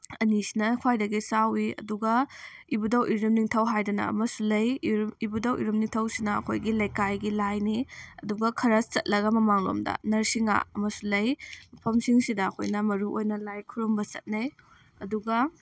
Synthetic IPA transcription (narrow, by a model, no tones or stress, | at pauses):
ɐnisinɐkʰwajdɐɡisawiɐ̰duɡɐibudɐwʔiɾumniŋtʰɐwɦajdɐnɐ̰ɐ̰mɐsulɐjibudɐwʔḭɾumniŋtʰɐwsinɐɐ̰kʰojɡilɐjkajɡilajniɐduɡɐkʰɐɾɐst͡ʃɐt̚lɐɡɐmɐmaŋlo̰mdɐ̰nɐɾsiŋa̰ɐmɐsulɐjmɐpʰɐmsiŋsidɐːkʰo̰jnɐmɐɾuʔojnɐlajkʰuɾumbɐt͡ʃɐ̰t̚nɐj | ɐduɡɐ